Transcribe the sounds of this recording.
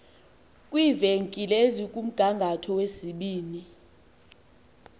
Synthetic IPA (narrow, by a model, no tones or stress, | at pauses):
kʼwiveŋkʼilezikʼum̩ɡ̥ʱaŋɡʱatʰɔwesiɓiːni